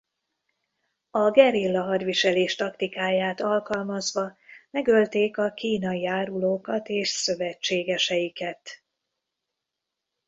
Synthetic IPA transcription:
ɒɡɛɾilːɒɦɒrʋiʃɛleːʃt̪ɒkt̪ikaːjaːt̪ɒlkɒlmɒzʋɒmɛɡø̞lt̪eːkɒkiːnɒjiaːɾuloːkɒt̪eːʃsø̞vɛt͡ʃːeːɡɛʃɛjikɛt̪

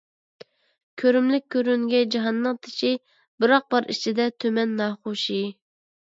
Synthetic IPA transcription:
kʲʰøɾymlɪk̚ʲʰːøɾyŋɡʲɛd͡ʒɑɦɑnːɨŋt̪ʰɪ̥ʃi | bɨɾɑq̚bɑɾit͡ʃʰid̪ɛt̪ʰømɛnːɑːχoʃi

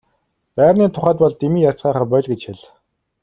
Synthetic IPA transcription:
pæːrniːt̪ʰʊχæːt̪̚pɔɮt̪imiːjat͡sɢæːχaːpœɮɡet͡ɕxeɮ

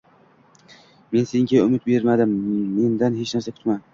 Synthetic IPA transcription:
me̞nseɪŋɡʲaʊmɪt̪̚be̞ɾmad̪ɪmːe̞nd̪anhe̞t͡ʃnaɾsakʲʰʊ̥t̪man

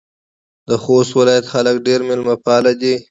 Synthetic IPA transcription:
d̪əxost̪wɪlɑjat̪xaləkɖeɾmɪlmapɑlad̪i

